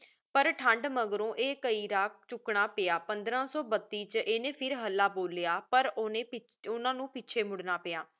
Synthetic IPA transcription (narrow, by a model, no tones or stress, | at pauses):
pəɾʈʰəɳɖməɡɾõːʔeːkəiːɾaːk̚t͡ʃʊkɳaːpeaːpənd̪ɾãːsɔːbət̪ːiːt͡ʃʔeːnẽːpʰɪɾɦəlːaːboːlejaːpəɾneːɪʊnãːnũːpɪːt͡ʃʰeːmʊɽnaːpeːaː